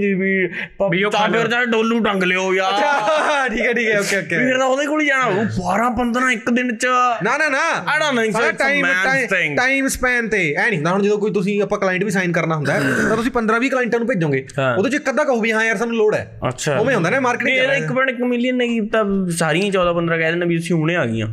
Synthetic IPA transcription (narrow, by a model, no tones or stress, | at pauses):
d͡ʒibiː | biːoːt̪ãpʰɪɾd͡ʒaːɖoːluːʈə̃ŋɡleoːjaːt͡ʃʰaʈʰiːkɛːʈʰiːkɛːoːkːeːoːkːeɪɾd̪aoːd̪eːkoːliːd͡ʒaːɽaːbaːɾãːpənd̪ɾãːɪkd̪ɪnt͡ʃənaːnãːnaːɽanŋseaːimmːat̪ẽŋʈaːimspɛːnt̪eːɛːniːɦnd̪aɦɽ̃d͡ʒəd̪õːkoːit̪̬ʊs̬ĩːəpːãːklaːɪ̃ɳʈbiːs̬aːɪnkəɾnaːɦʊ̃nd̪aɦɛːt̪ãt̪ʊsĩːpənd̪ɾãːʋʱiːklaːɪɳʈãːnũːpeːd͡ʒd͡ʒõːɡeːoːd̪õːt͡ʃɪkːəd̪ãːkəɦuːbiːɦãːjəːɾs̬aːnũːloːɽɛ̰ː | ə̰tːʃʰaːoːmẽɦõnd̪aːnɛːmaːɾkɪːʈeːd̪ɪkːpəɳɪkmɪlijəneit̪asaːɾiãːt͡ʃɔːd̪aːpənd̪ɾãːkɛːd̪eːnãːbiːt̪ʊsĩːɦʊɽẽːaːɡḭjã̰ː